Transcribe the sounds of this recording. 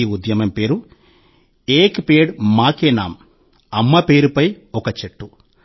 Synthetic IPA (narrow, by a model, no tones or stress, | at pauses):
iud̪jɐmɐmpe̞ːɾu | eːkpeːɽmaːkeːnaːm | ɐmːɐpe̞ːɾupɐj | ɔkɐt͡ʃeʈːu